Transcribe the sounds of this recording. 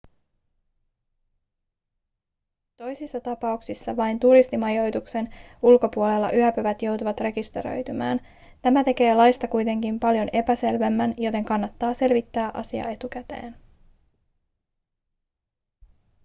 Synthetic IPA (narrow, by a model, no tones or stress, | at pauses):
t̪o̞jsisːɑt̪ɑpɑuksisːɑʋɑjnt̪uɾist̪imɑjo̞jt̪ukse̞nulko̞puo̞le̞lːɑ̰ʔyæpøʋæt̪jo̞wt̪uʋɑt̪re̞kist̪ḛɾø̞̰jt̪ymæ̰ːn | t̪æmæt̪e̞ke̞ːlɑjst̪ɑkujt̪e̞ŋkimpɑljo̞ne̞pæse̞lʋe̞mːænjo̞t̪e̞ŋkɑnːɑt̪ːɑːse̞lʋit̪ːæːʔɑ̰siɑ̰e̞t̪uk̟æt̪e̞̰ːn